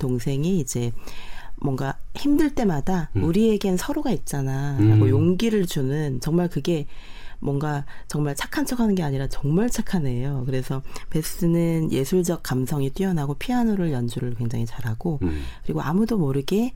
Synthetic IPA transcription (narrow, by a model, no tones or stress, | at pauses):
toŋsʰe̞ŋiid͡ʑe̞ | mwʌŋɡaçimdɯɭt͈e̞madauɾie̞ɡe̞nsʰʌɾoɡait̚t͡ɕ͈anaɾaɡojoŋɡiɾɯɭt͡ɕunɯnt͡ɕʌŋmaɭkɯɡe̞mwʌŋɡat͡ɕʌŋmaɭt͡ɕʰḁkʰant͡ɕʰʌkʰanɯnɡe̞aɲiɾat͡ɕʌŋmaɭt͡ɕʰakʰane̞jokɯɾe̞sʰʌpe̞s͈ɯnɯnje̞sʰuɭd͡ʑʌk̚k͈amsʰʌŋit͈ɥiʌnɦaɡopʰianoɾɯɭjʌnd͡ʑuɾɯɭkwe̞ŋd͡ʑaŋit͡ɕaɾɦaɡokɯɾiɡoamudomʌɾɯɡe̞